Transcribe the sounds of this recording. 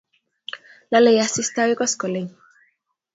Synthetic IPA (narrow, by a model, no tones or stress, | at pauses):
lalejasist̪awekɔskoleɲ